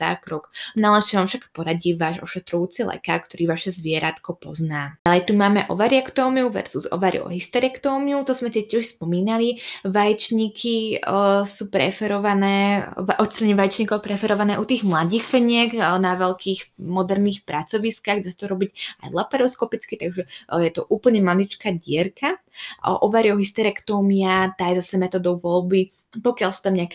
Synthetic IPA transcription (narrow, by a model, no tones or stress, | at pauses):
a̰ːkɾɔknalɛt͡ʃɛʋamfʃakpɔɾaɟiʋaːʒɔ̰ʃɛt̪ɾɔjuːt͡silɛ̰ka̰ːɾkt̪ɔɾiːʋaʃɛzʋɪɛɾat̪kɔpɔ̰znaːalɛjt̪umaːmɛ̰ʔɔ̰ʋaɾɪakt̪ɔːmiuʋɛ̰ɾzuzɔ̰ʋaɾḭɔ̰ɦist̪ɛɾakt̪ɔːmiut̪ɔzmɛt̪ɛcːɪɛʃspɔmiːnaliʋajɛt͡ʃɲiːkʰi | suːpɾɛ̰fɛɾɔʋanɛːʔɔt̪st̪ɾaɲɛʋajɛt͡ʃɲiːkɔʊpɾɛfɛɾɔʋanɛːʔut̪iːɣmlad̪iːxfɛɲɪɛɡnaʋɛlkʰiːxmɔd̪ɛɾniːxpɾat͡sɔʋiskaɣd̪asḁt̪ɔɾɔbiɟa̰jlapɛɾɔskɔpit͡skit̪aɡʒɛjɛt̪ɔʔuːpl̩ɲɛmlalit͡ʃkaɟɪɛɾkʰaʔɔʋaːɾiɔɦist̪ɛɾɛkt̪ɔːmiat̪aːjɛzasɛmɛt̪ɔd̪ɔʊʋɔlbi | pɔkɪalsu̥t̪amɲɛakɛ